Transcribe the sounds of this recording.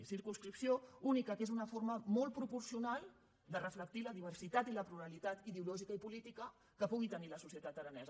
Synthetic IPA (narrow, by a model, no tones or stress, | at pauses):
siɾkunskɾipsiounikəkezunəfoɾməmɔlˠt̪̚pɾupuɾsiunalˠ | d̪ərəflək̚t̪iləðiβ̞ərsit̪at̪iləpluɾəlit̪at̪iðeulɔʒikəipulit̪ikə | kəpuɣ̞it̪əniləsusjət̪at̪əɾənɛz